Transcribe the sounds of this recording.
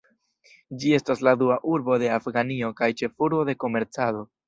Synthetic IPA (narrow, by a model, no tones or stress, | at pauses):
d͡ʒie̞stasladuaʔuɾbo̞de̞afɡanio̞kajt͡ʃe̞fuɾbo̞de̞ko̞me̞ɾt͡sado̞